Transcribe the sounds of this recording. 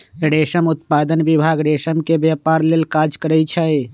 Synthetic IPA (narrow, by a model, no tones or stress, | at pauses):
ɖeːʃəmʊt̪paːd̪ənʋɪbʱaːɡɖeːʃəmkebjaːpaːɾleːlkaːd͡ʒkəɾəit͡ʃʰae